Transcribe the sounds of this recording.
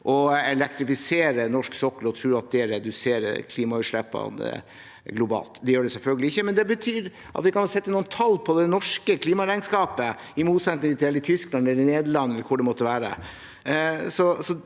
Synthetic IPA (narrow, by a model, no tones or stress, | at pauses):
ʔɔɛlɛk̚t̪ɾɪfɪseːɾənɔʂksɔkːəlɾɔt̪ʰɾʉːɾɑt̪̚d̪ɛæɾɛd̪ʉseːɾə̰kʰliːmɑʉːʂɭɛpːɑ̰nə̰ | ɡlʊbɑ̰ːlt̪d̪ɛjøːɖɛsɛlfœlɡəlɪɪçːəmɛnd̪ɛbət̪ʰyːɾ | ʔɑ̰t̪ʋɪkɑnsɛt̪ːənuːənt̪ʰɑlːpʰɔd̪ɛnɔʂkəkʰliːmɑɾæɪnskɑːpə | ɪmuːt̪sɛt̪nɪŋət̪ʰɪɛlɪt̪ʰʏsklɑnɛlɾɪneːd̪əɭɑnːɛlkʰʊɖɛmɔt̪ːəʋæːɾə̰ | sɔsɔ